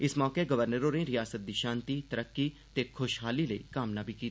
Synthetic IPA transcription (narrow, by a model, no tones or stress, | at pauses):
ɪsmɔːkeɡəʋəɾnəɾõːnẽĩɾɪjaːsət̪̚d̪iːʃãːnt̪iːt̪əɾəkːit̪eːkʰʊʃɦaːliːləḭːkaːmnaːbʱiːkiːt̪ː